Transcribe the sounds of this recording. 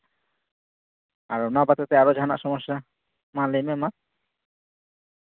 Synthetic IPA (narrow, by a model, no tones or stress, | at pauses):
a̰ɾunɔbat̪et̪ɛaɾod͡ʒʱana̰ʔsɔmɔʃːa | mãlejmema